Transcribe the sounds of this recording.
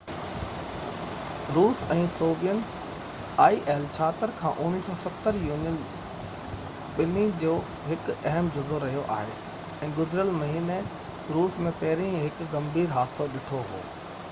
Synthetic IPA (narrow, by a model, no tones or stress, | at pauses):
ɾuːsɛ̃ːsoːbijən | aːiːʔeːlt͡ɕʰaːt̪əɾkʰã̰ːʔʊniːsɔːsɐt̪ːəɾjuːnijən | ɓɪnĩd͡ʑoː | ɦɪkɐɦəmd͡ʑɐzoɾɐɦijoʔa̰ːɦḛ | ɛ̃ːɡʊzɪɾəlmɐɦiːne | ɾuːsmẽpɐɦɪɾĩɦɪkɡɐ̃mbʱiːɾɦaːt̪soɗɪʈʰoɦo̰ː